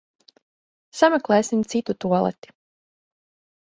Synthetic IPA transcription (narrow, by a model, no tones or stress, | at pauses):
samɛklˠɛːsimt̪sit̪ut̪uɔlˠɛ̰t̪i̥